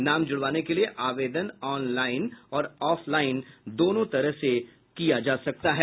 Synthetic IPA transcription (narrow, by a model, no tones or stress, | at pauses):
naːmd͡ʒʊɽʋaːnekelieʔaːʋeːd̪ənɔːnlaːɪnɔːɾɔːfʰlaːɪnd̪oːnõt̪ɐɾəɦse | kijad͡ʒaːsɐk̚t̪aɦɛː